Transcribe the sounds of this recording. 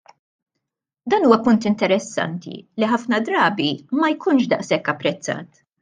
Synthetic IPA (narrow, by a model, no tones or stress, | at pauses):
d̪ɐːnuːwɐpʊnt̪ɪnt̪ɛɾɛsːɐ̰nt̪ḭliħɐfnɐd̪ɾɐːbimɐjkʰʊnʃd̪ɐʔsɛkːɐpːɾɛt͡sːɐ̰ːt̪